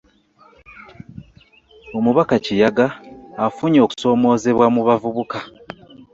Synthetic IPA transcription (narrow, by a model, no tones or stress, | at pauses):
o̞muβakacijaɡaːfuɲo̞ku̥so̞ːmo̞ːze̞βwamuβavuβuka